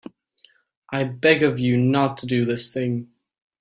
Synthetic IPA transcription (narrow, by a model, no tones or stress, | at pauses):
ʔaɪbɛɡəvjɨnətʰədɨðɪsθɪ̃ŋ